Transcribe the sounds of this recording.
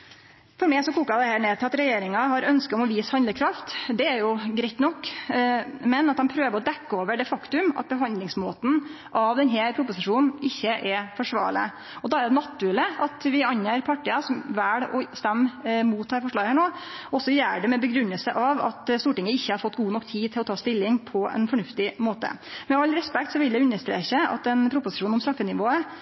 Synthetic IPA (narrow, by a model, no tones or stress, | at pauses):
fɔɾmɛɪsɔkʰuːkɑd̪ɛhæːɳeːt̪ʰɪlɑt̪ɾɛjeːɾɪŋɑɦɑɾœnskəɔmɔʋiːshɑnd̪əɾkʰɾɑft̪d̪ɛæɾjʊɡɾɛɪt̪nɔkː | mɛnɑt̪̚d̪ɛmpʰɾøːʋəɾɔd̪ɛkːəoːʋəɖɛfɑkt̪ʉmɑ̰t̪̚bəɦɑnd̪lɪŋsmoːt̪n̩ | ʔɑʋd̪ɛnɦepʰɾʊpːʊsɪʂuːnn̩ɪçːəʔɛfɔʂʋɑ̰ːɭə̰ | ɔd̪ɑæɾd̪ɛnɑt̪ːʉɛləɑt̪ʋɪɑnjeːɾpʰɑʈːɪɑsɔmʋæːɽɔ̰st̪æmːmuːt̪ʰːɑːɾfɔʂɭɑːɡhæːɳoː | ɔɔsːɔjæːɖɛmɛbəɡɾʉnːəlsəʔɑʋɑ̰t̪st̪uːʈɪŋəɪçːəhɑɾfɔt̪ːɡuːnɔkːt̪ʰiːt̪ʰɪlɔt̪ʰɑːst̪ɪlːɪŋpʰɔɛ̰nfɔɳʉft̪ɪmoːt̪ə̰mɛɑlːɾɛspɛk̚t̪sɔʋɪld̪ɛʉnːəʂt̪ɾḛːçəɑ̰t̪ɛnpʰɾʊpʊsɪ̥ʂuːnɔmst̪ɾɑfːənɪʋoːə